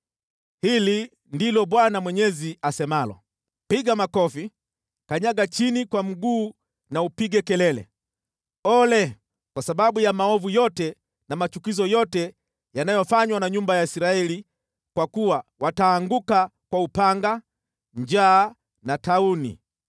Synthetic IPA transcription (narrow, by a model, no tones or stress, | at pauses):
hili | ndilɔɓwanamwɛɲɛziasɛmalɔ̰ | piɡamakɔfi | kaɲaɠat͡ʃinikwam̩ɡuː | naupiɡɛkɛlɛlɛ̰ | ɔlɛ | kwasaɓaɓujamaɔvujɔtɛ | namat͡ʃukizɔjɔtɛ | janajɔfaɲwanaɲumbajaisiɾaɛli | kwakuwawataːŋɡukakwaupaŋɡa | ɲd͡ʒaː | nataunḭ